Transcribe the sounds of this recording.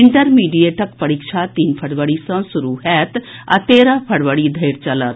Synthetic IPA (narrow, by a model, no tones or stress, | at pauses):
iɳʈəɾmiːɖieʈʰəkpɐɾikʂʰat̪iːnpʰəɽʋəɽisə̃suɾuɦɛːt̪a̰t̪eːɾãpʰəɽʋəɽid̪ʱeːɾt͡ʃɐlət̪